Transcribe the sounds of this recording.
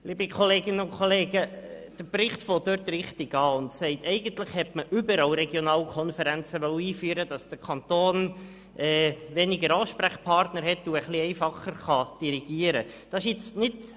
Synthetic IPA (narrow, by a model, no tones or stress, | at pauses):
liːbəkʰoleːɡɪnəʊnkʰoleːɡəd̥əɾbrɪχtfoːdøɾt̪rɪχtiɡɑːʊndsɛɪtɛɪɡ̥ən̩tlɪχhɛtməʔʏbəɾɑlɾɛɡjonɑːlkʰɔnfəɾænt͡səʋœwiːfyːəɾəd̥ɑsd̥əɾkʰɑnt̪oːn | ʔɛːʋɛnɪɡəɾɑːʃpɾæχpʰɑrtnəɾɦɛtːuəχliɛɪfɑχəɾχɑd̥iɾiɡ̥iːəɾəd̥ɑʃjɪt͡snɪt